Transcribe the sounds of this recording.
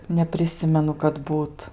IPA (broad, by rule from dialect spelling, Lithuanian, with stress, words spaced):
nʲɛpʲrʲɪˈsʲɪmʲɛnʊ kɐt ˈbuːt